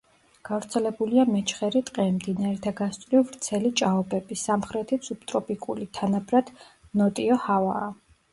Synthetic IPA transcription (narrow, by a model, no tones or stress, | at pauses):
ɡ̥avɾt̪sʰɛlɛbuliamɛt͡ʃʰχɛɾit̪ʼqʼɛmd̪inaɾɛt̪ʰaɡast̪ʼɾivɾt̪sʰɛlit͡ʃʼaɔbɛbisamχɾɛt̪ʰit̪sʰup̚t̪ʼɾɔpʼikʼulit̪ʰanabɾad̪̥ | nɔt̪ʼiɔhava̰ː